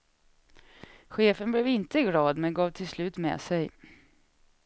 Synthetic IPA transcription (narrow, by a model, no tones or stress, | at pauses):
ɧeːfənblɛvɪnt̪əɪɡlɑːd̪mɛnɡɑːvt̪ʰɪlslʉ̟ːt̪mɛ̰sɛj